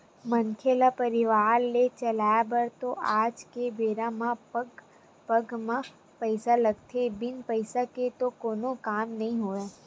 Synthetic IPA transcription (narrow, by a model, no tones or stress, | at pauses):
mɐnkʰelapɐɾɪʋaːɾlet͡ʃɐlaːjabɐɾt̪oʔaːd͡ʒkebeːɾãmãpɡ | pɐɡmã | pəɪsalɐɡt̪ʰebɪnpəɪsaket̪okoːnokaːmnɐɦĩɦoːa